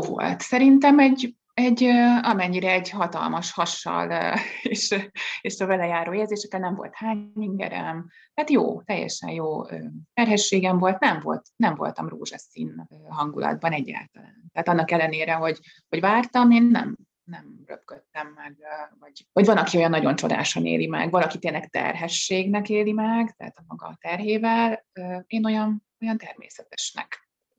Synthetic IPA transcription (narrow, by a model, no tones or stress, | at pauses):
vo̰lt̪sɛɾint̪ɛmɛɟ | ɛɟøɒmɛɲːiɾɛɛɟhɒt̪ɒ̰lmɒʃhɒʃɒ̰leːʃeːʃɒvɛlɛjaːɾoːjeːlzeːʃɛkɛlnɛɱvo̞̰lt̪haːɲɲiŋɡɛ̰ɾɛ̰m | t̪ɛːt̪jo̰ːt̪ɛjːɛ̰ʃɛ̰njoːøːt̪ɛrɦɛʃːeːɡɛɱvo̞lt̪nɛmvo̞̰lt̪nɛɱvo̞̰lt̪ɒmro̰ːʒɒsḭnɦɒŋɡulɒ̰d̪̚bɒnɛɟːa̰ːlt̪ɒlaːnt̪ɛɦat̪ɒnːɒkɛlːɛneːɾɛɦo̞ɟ | ho̞ɟvaːrt̪ɒmeːnːɛ̰m | nɛmrø̰pkøt̪ːɛmːɛɡvɒɟvɒɟvɒnɒkiojɒnːɒɟo̞nt͡ʃo̞d̪a̰ːʃonḛːlimɛ̰ɡvɒlɒkit̪eːnlːɛkt̪ɛ̰rɦɛʃːeːɡnɛkeːlimɛɡt̪ɛ̰ɦːt̪ɒmɒɡɒ̰t̪ɛrɦeːvɛløːeːno̞jɒn | o̞jɒnt̪ɛrmḛːsɛt̪ɛʃnɛ̰k